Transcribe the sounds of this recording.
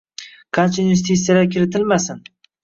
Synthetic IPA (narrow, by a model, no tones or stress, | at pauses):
qʰɑnt͡ʃʰaunjɪst̪it̪sːijad̪akʲɪɾɪt̪ʰɪlmasɪn